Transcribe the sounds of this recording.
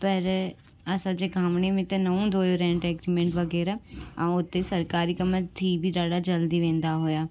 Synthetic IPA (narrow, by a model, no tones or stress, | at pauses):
pəɾ | əsãːd͡ʒeːɡʰʱãːmɳeːmẽt̪ẽːnəũːd̪oːjoːɾɛ̃ːɳʈɛːkɾiːmɛ̃ːɳʈʋəɡɛːɾaːã̰ːʊt̪ːeːsəɾkaːɾiːkəmət̪ʰiːbʱiːɾaːɽaːd͡ʒəld̪iːʋẽːnd̪aːɦoːjaː